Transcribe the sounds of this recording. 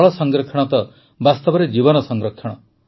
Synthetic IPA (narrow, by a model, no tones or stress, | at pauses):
ɭɔsɔŋɡɾɔkʰːɔɽ̃t̪ɔ | bast̪ɔbɔɾed͡ʒibɔnɔsɔŋɡɾɔkʰːɔɽ̃ɔ